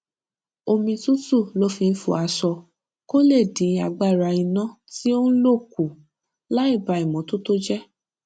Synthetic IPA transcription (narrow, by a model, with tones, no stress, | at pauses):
o˧mĩ˧tũ˦tu˦˨lo˨˦fĩ˧n̩˦fṵ˨a˧sɔ˧ | ko˦le˦˨dĩ˨˦a˨ɡ͡ba˦˨ɾa˧ĩ˧nã˦ | ti˦o˦n̩˦lo˦˨ku˨ | la˦i˦˨ba˧i˨mɔ̃˨˦to˦to˦d͡ʒɛ˦